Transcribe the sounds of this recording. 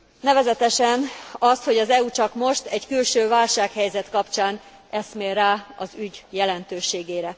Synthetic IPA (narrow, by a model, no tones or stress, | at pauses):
nɛvɛzɛt̪ɛʃɛnɒst̪ho̞ɟɒzɛut͡ʃɒkmo̞ʃt̪ɛɟkylʃøːvaːlʃaːkhɛjzɛt̪kɒpt͡ʃaːn | ʔɛst̪meːraːɒzyɟjɛlɛnt̪øːʃeːɡeːɾɛ